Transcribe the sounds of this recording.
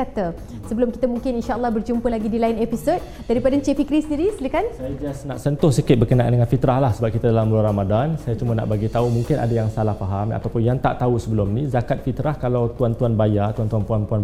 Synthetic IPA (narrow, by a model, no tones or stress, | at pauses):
at̪ə | səbəlʊmki̥t̪əmuŋkɪninʃaəlːɑhbərd͡ʒumpəlaɡidilainɛpisot̪̚ | daɾipadat͡ʃefikɾisəndiɾislikansajat̪iasnaʔsənt̪ʊhsəkɪt̪̚bərkənaʔa̰ndəŋanfit̪ɾahlahsəbap̚kit̪adalamluaɾamadansajat͡ʃumana̰ʔbaɡit̪aumuŋkɪna̰dajaŋsalahpaɦama̰t̪awpʊnjaŋt̪a̰ʔt̪ausəbəlʊmnĩzakat̪̚fit̪ɾahkalawt̪uant̪uanbajat̪uant̪uanpuanpuan